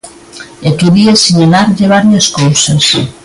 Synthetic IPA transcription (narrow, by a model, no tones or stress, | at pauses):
et̪uðiesiɲelaɾʎeβaɾjeskowses